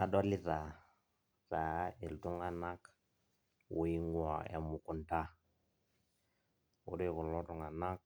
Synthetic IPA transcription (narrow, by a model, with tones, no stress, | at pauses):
a˨dɔ˦li˦ta˨ | ta˨˦e˨ltu˦ŋa˨na˦k | wu˨˦i˦ŋu˦ɔ̰˨ja̰˨mu˨ku˨nta˦ | ṵ˦de˦ku˨lɔ˦tu˨ŋa˨na˦k̚